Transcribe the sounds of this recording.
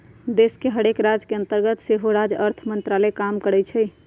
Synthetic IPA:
d̪eskeɦəɽekɾad͡ʒkeənt̪əɾɡət̪seɦoɾad͡ʒəɾt̪ʰmənt̪ɾalɛkamkəɾɛt͡ʃʰɛj

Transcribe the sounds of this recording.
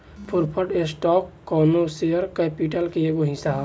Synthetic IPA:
pʰuɾpʰəʈesʈɔːkːɔːnoseəɾkepiʈəlkeeɡoɦisaː

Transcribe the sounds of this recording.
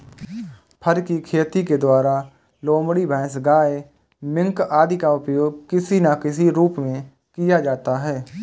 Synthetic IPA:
pʰəɾkikʰeːt̪iked̪waːɾa | loːmɽibʱɛ̃ːsɡaːe | mɪ̃ŋkaːd̪ikaʊpjoːɡ̚kɪsinakɪsiɾuːpmẽ | kɪjad͡ʒaːt̪aɦɛː

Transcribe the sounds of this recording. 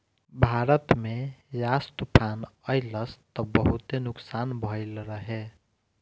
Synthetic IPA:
bʱaɾət̪mejast̪upʰanəjləst̪ɔbəɦut̪enʊksanbʱəɪlɾəɦe

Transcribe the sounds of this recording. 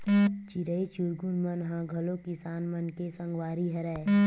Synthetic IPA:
t͡ʃiɾəit͡ʃuɾɡunmənɦãːɡʱɐlõkɪsaːnmənkesə̃ŋɡwaːɾiɦɐɾɛ

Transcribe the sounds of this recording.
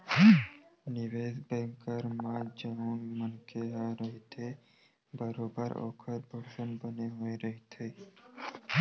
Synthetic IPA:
nɪʋeːzbɛ̃ːŋkəɾmãd͡ʒɐuːnmənkeɦaɾəɦit̪ʰe | bəɾoːbəɾo̰ːkʰəɾbʱoksənbəneɦoːiɾəɦit̪ʰeː

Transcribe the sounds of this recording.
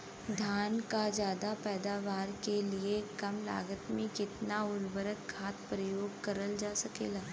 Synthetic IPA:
d̪ʱjaːnkad͡ʒjaːd̪apɛːd̪aːʋaːɾkeliekɐmla̰ːɡət̪mẽkɪt̪naʊlbəɾəkkʰaːt̪pɾəjoːɡkɐɾəld͡ʒaːsɐkḛːlaː

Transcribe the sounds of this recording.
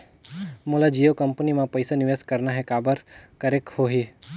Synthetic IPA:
moːlad͡ʒijokɐmpənimãpəɪsanɪʋeskəɾnaɦɛkaːbəɾkəɾeːkhoːɦiː

